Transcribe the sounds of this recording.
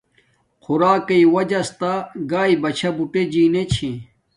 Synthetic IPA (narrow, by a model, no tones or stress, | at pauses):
qʰuɾaːkɐiwɐd͡ʑɐst̪aɡaːibɐt͡ɕʰɐbuʈed͡ʑiːnet͡ɕʰĩ